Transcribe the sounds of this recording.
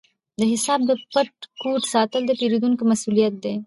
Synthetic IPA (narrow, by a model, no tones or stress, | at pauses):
d̪əɦɪsɑːb̚d̪əpɐʈ̚kuʈsɑːt̪əld̪epeɾud̪unkomɐsulijɐt̪̚d̪e